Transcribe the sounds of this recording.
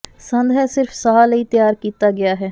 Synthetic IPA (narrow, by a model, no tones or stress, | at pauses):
sə̃nd̪ʱɦɛːsɪɾfsaɦaːləiːt̪ɪjaːɾkiːt̪aːɡɪaːɦɛː